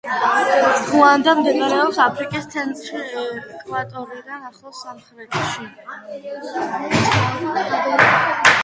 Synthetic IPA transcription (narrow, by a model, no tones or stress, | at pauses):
ʁuand̪amd̪ɛnaɾɛɔpsapʰɾikʼist̪sʰɛnt̪ɾkʼvat̪ʼɔɾid̪anaχlˠɔsamχɾɛt̪ʰʃi